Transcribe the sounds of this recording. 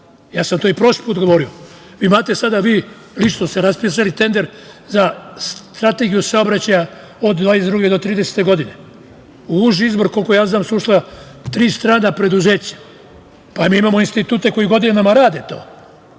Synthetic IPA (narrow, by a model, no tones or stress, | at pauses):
jaːsamt̪o̞ipɾo̞ʃi̥puːt̪ɡo̞ʋo̞ɾio̞ | ʋiːmaːt̪e̞sad̪aʋiː | lit͡ʃnost̪eɾaspisalit̪e̞nd̪e̞ɾ | zast̪ɾat̪e̞ɡijusao̞bɾat͡ɕaja | o̞d̪d̪vaːnes̬ed̪ɾuɡed̪o̞t̪ɾiːd̪e̞se̥t̪e̞ɡo̞d̪ine̞ | uuʒiizbo̞ɾko̞lko̞jaːznaːmsuʃla | t̪ɾiːst̪ɾaːnapɾe̞d̪uze̞ːt͡ɕḁ | pamiːimaːmoinst̪it̪uːt̪e̞ko̞jiɡo̞d̪inenamaɾaːd̪et̪o̞̰ː